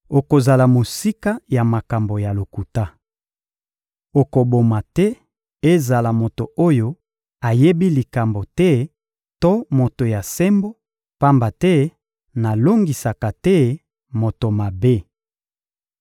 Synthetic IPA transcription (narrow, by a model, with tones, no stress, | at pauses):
o˨ko˨za˨la˨mo˨si˦ka˦ja˨ma˨ka˨mbo˨ja˨lo˨ku˨ta˦ | o˨ko˨bo˨ma˨tɛ˦ | e˦za˨la˨mo˨to˨o˦jo˦ | a˨je˦bi˦li˨ka˨mbo˨tɛ˦ | to˦mo˨to˨ja˨sɛ˦mbo˦ | pa˦mba˨tɛ˦ | na˨lo˦ŋɡi˨sa˨ka˨tɛ˦ | mo˨to˨ma˨be˦